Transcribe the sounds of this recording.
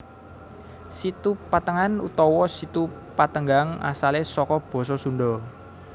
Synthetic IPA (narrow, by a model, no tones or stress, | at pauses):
sit̪upat̪əŋanṵt̪ɔwɔsit̪u | pat̪əŋɡaŋa̰salesɔkɔb̥ɔ̤s̬ɔsunɖɔ